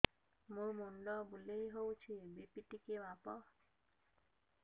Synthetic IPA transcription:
mumunɖɔbulejɦowt͡ʃʰibipiʈikemapɔ

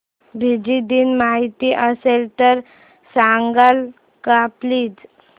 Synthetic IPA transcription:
bʱid͡ʑid̪iːnmaɦit̪iʔəselt̪əɾ | saŋɡal | kapliːd͡z

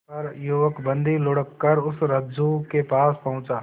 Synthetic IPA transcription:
pɐɾjuʋəkbə̃nd̪ʱilʊɽəkːəɾʊsɾɐd͡ʒukepaːspɐɦʊ̃t͡ʃaː

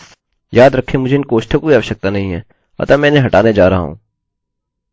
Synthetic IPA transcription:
jaːd̪ɾɐkʰːemʊd͡ʒʱeɪnkoːʃʈʰakoiaːʋəʃjək̚t̪anɐɦĩɦɛː | ɐ̰t̪amɛ̃ːɪnẽɦɐʈaːned͡ʒaːɾɐɦa̰ɦṵ̃ː

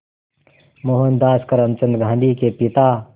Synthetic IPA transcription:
moɦənd̪aːskɐɾəmt͡ʃə̃nd̪ɡʱãːnd̪ikepɪt̪aː

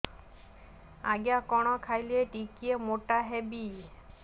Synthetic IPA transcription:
aɡijakɔɽ̃ɔkʰajlieʈikiemoʈaɦebi

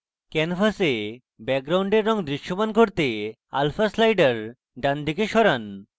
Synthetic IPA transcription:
kɛnfʰase | bɛk̚ɡɾawɳɖeɾːɔŋd̪ɾiʃːomanɡʱoɾt̪e | a̰lfʰaslajɖaɾ | ɖand̪ʱikeʃɔɾan

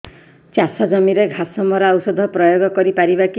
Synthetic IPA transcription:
t͡ʃjasad͡ʒɔmiɾeɡʱasɔmɔɾɔawsɔd̪ʱɔpɾɔjoɡɔkɔɾipaɾibaki

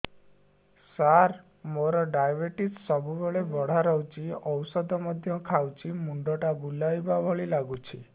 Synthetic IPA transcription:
saɾ | moɾɔɖajbeʈissɔbʱubeɭebɔɽ̤aɾɔwt͡ʃiɔwsɔd̪ʱɔmɔd̪ʱjɔkʰawt͡ʃimuɳɖɔʈabulajbabʱɔɭilaɡut͡ʃʰi

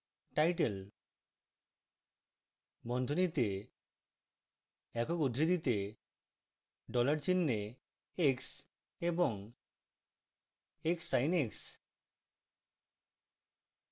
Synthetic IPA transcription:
ʈajʈel | bɔnd̪ʱonit̪e | ɛkɔkud̪ʱɾid̪it̪e | ɖɔlaɾt͡ɕinːe | eks | ebɔŋ | eksajneks

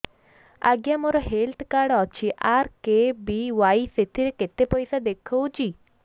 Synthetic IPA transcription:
a̰ɡjamoɾɔɦelt̪ʰkaɾɖɔt͡ʃʰiʔaɾkebiwajset̪ʰiɾeket̪epɔjsad̪ekʰəwt͡ʃʰi

